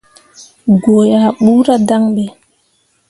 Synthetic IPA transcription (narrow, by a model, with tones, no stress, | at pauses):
ɡo˨ja˨ɓuː˦ɾa˦da˦ŋɓe˨